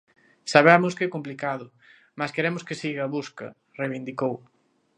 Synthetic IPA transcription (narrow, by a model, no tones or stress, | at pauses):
saβɛmʊskɛkomplikaðʊ | maskeɾemʊskɪsiɣɐβuskɐ̰ | rejβind̪ikow